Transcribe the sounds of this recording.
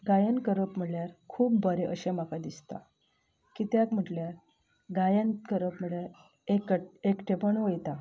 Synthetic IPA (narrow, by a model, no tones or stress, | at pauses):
ɡajənkəɾəpm̤əɭjaɾkʰuːpbʱəɾeʔəɕemakad̪ist̪a̰ | kit̪jakm̤əʈljaɾ | ɡajənkəɾəpm̤əɭjaɾ | ekekʈepəɳʋəjt̪a